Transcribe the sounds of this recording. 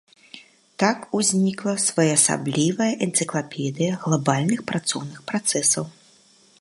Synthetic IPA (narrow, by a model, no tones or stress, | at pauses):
t̪akuzʲnʲiklˠɐsvajasa̰blʲivɐjɐʔɛnt̪sɨklˠapʲɛd̪ɨjɐɣlˠabalʲnɨxpɾat̪sɔ̰wnɨxpɾat̪sɛsɐw